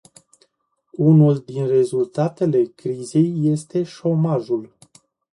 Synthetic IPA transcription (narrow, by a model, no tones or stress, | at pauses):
unuld̪inre̞zult̪at̪e̞le̞kɾize̞jːe̞st̪e̞ʃo̞maʒul